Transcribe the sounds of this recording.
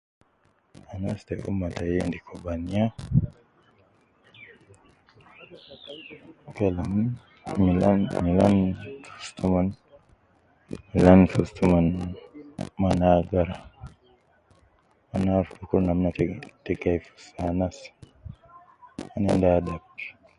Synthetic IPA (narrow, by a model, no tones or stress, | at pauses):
anastaʔṵmːatajandikʰobanija | kalm | milanmilanfu̥stuman | milanfustuman | manaɡaɾa | anafuɾukuɾnamnattɛɡajfu̥sanas | anindadakːi̥